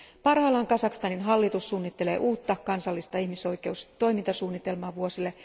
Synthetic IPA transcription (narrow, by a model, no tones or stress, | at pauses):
pɑrhɑːlɑŋkɑsɑkst̪ɑninɦɑlːit̪usːuːnːit̪ːe̞leːʔuːt̪ːɑkɑnsɑlːist̪ɑihmiso̞jke̞ust̪o̞jmint̪ɑsuːnːit̪e̞lmɑːʋuosilːe